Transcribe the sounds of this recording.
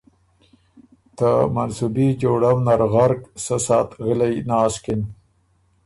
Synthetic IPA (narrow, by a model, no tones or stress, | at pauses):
t̪əmansubid͡ʒoɽawnaɾɣaɾksəsɑːt̪ɣəlajnɑːskɪn